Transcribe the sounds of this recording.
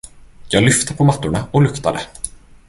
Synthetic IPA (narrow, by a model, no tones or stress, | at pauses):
jɑːɡlʏft̪əpʰɔmat̪ːʊɳaɔlɵkt̪ad̪ə